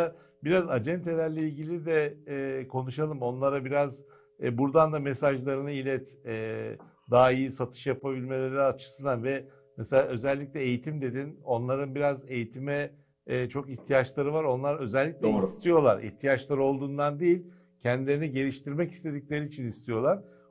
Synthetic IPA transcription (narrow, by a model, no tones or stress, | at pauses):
a | biɾazad͡ʒɛnt̪ʰe̞lʲæɾlʲeilʲɟilʲid̪ɛːkʰo̞nuʃalˠɯmo̞nlˠaɾabiɾaz | buɾd̪and̪amesaʒlˠaɾɯnɯilʲɛt̪ː | d̪aːijisat̪ʰɯ̥ʃjapabilʲme̞lʲe̞ɾiat͡ʃʰɯ̥sɯnd̪anvɛ | mɛselʲaø̞zɛlʲːicʲlʲɛejit̪ʰimd̪e̞d̪ino̞nlˠaɾɯnbiɾaze̞jit̪ʰimɛ | t͡ʃʰo̞kiçt̪ʰijat͡ʃlˠaɾɯvaɾo̞nlˠaɾø̞zɛlʲːic̚lʲɛist̪ʰijo̞lˠa̰ɾʔḭçt̪ʰijat͡ʃlˠaɾɯo̞lˠd̪uːnd̪and̪ijilʲ | cʰɛnd̪ilʲe̞ɾiniɟe̞ɾʲiʃt̪ʰiɾmɛci̥st̪ʰe̞d̪iclʲe̞ɾiːt͡ʃʰinist̪ʰijo̞lˠaɾ̥